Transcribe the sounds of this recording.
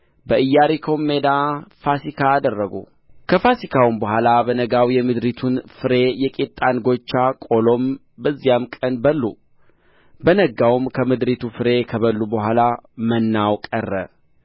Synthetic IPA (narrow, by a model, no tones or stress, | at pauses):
bəʔɨjːaɾikʰo̞mːe̞d̪afasikʰaːd̪ərːəɡṵ | kʰəfasikʰawumbəhʷalabənəɡawjɛmɨd̪ɾit̪ʰunfɨɾe̞jɛkʼet̪ʼːanɡo̞t͡ʃːakʼo̞lo̞m | bəzːijamkʼənbəlːu | bənəɡawmkʰəmɨd̪ɾit̪ʰufɨɾe̞kʰəβəlːubəhʷalamənːawkʼərːə̰